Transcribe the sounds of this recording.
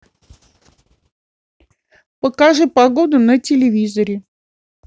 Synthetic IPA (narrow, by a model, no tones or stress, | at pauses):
pəkaʐɨpaɡo̞d̪ʊnətʲɪlʲɪvʲizəɾʲɪ